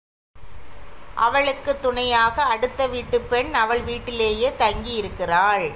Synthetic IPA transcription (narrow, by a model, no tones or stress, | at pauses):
ʔɐ̰ʋɐɭɯkːɯt̪ːʊɳɐjaːɣɐːɽɯt̪ːɐʋiːʈːɯpːɛɳɐʋɐɭʋiːʈːɪleːjeːt̪ɐŋɡijɪɾɯkːɪraːɻ